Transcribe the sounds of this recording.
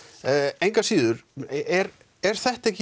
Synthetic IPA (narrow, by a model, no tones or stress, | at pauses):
ejŋkḁsiːðʏɾɛɾ | ɛɾ̥θɛht̪aɛhc